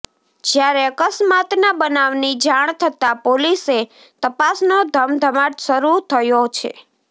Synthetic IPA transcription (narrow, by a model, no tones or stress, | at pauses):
d͡ʒjaɾeəkəsmat̪nabənaʋnid͡ʒaɳ̃t̪ʰət̪apolise | t̪əpasnod̪ʱəmd̪ʱəmaʈsəɾut̪ʰəjot͡ʃʰḛ